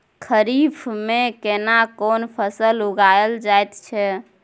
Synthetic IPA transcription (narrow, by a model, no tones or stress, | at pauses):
kʰəɾipʰmekenakonpʰəsəluɡajld͡ʒajt̪t͡ʃʰɛ